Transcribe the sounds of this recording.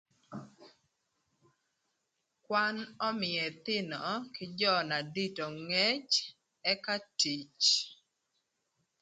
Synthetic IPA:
kwa˦nɔ˦mɪ˨ɛ˨t̪ɪ˦nɔ˨kɪd͡ʒɔ˦na˨di˦to˨ŋɛ˦t͡ʃ | ɛ˦ka˦ti˨t͡ʃ

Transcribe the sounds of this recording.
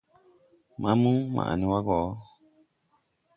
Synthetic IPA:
mã˨˦mũ˦mã̰˨nĩ˨wa˦ɡɔ˨˦

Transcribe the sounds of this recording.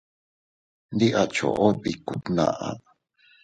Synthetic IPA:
nd̪i˦ʔa˧t͡ʃo̰˨ʔo˦βi˨ku˨t̪nã̰˧˨ʔa˧

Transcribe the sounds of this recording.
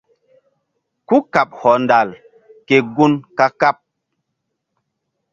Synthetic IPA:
ku˦ka˨p̚hɔ˨nda˨l | ke˨ɡu˦nka˦ka˦p̚

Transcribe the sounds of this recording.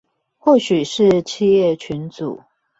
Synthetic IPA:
xwɔ˥˩ɕy˨˩ʂɻ̩˥˧t͡ɕʰi˥˧jɛ˥˨t͡ɕʰy˨˦nt͡sṵ˨˩˦

